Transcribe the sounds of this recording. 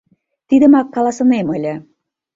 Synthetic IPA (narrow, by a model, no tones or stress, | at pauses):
t̪id̪ə̆mɑkːɑlɑsɤ̆nemɤ̆lʲə̆